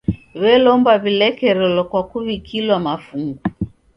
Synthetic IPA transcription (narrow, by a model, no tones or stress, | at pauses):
βɛlɔmbaβilɛkɛɾɛlɔkwakuβikʰilwamafuŋɡu